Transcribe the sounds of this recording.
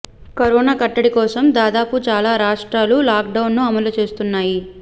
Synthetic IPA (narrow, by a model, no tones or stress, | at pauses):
kɐɾɔːnaːkɐʈːɐɽikɔːsɐmd̪aːd̪aːput͡ʃaːlaːɾaːʂʈɾaːlulaːk̚ɖɐwnːuɐmɐlut͡ʃe̞ːst̪unːaːji